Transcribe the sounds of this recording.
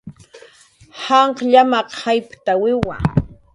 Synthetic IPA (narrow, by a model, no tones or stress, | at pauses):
hɑɴqʎamaqhajpt̪awɪwa